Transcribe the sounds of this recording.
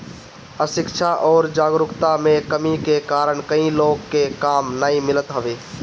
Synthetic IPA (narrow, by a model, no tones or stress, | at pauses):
əʃɪkʃʰaʔɔːɾd͡ʒaːɡɾʊkt̪amẽkəmikekaːɾəɳ̃kɐĩloːɡkekaːmnəɦĩmɪlət̪ɦɐʋeː